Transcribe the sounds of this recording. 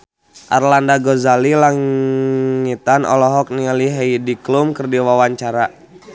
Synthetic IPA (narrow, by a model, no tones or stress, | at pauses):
ʔa̰rlandaɡɔzalilaŋ | it̪anɔ̰lɔɦɔk̚nialiɦɛidiklumkərdiwawaɲt͡ʃaɾa